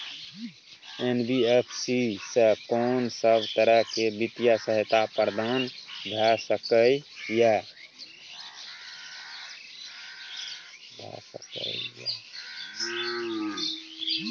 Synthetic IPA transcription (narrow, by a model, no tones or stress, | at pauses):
enbiepʰsisəkɔːnsəbʱt̪əɾəɦkebɪt̪ijasəɦət̪apəɾd̪aːnd̪ʱɛsəkəija | d̪ʱɛ̰sə̰kə̰ija̰